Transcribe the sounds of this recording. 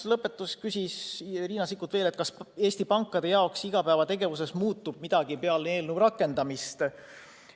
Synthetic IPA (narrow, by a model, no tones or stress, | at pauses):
lɤpːe̞t̪ːˑusskysʲisriːnɑsikːˑut̪ve̞ːlet̪̚kɑse̞ːsʲt̪ipɑŋkːˑɑd̪̥e̞jɑo̞ksiɡ̥ɑpæevɑt̪e̞ɡe̞vuse̞smuːt̪ːˑub̥̚mid̪̥ɑɡ̥ipeɑlne̞ːlnuvɾɑkːˑe̞nd̪ɑmist̪